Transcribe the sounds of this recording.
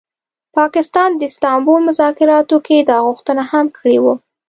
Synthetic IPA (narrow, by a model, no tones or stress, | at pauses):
pɑkɪst̪ɑnd̪əst̪ɑmbolmʊzɑkɪɾɑt̪oked̪ɑɣʊxt̪ənahamkʰəɽewu